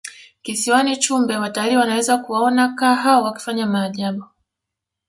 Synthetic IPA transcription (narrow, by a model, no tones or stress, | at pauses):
kisiwanit͡ʃumbɛwataliːwanawɛzakuwaɔnakaːɦaɔwaki̥faɲamaːʄaɓu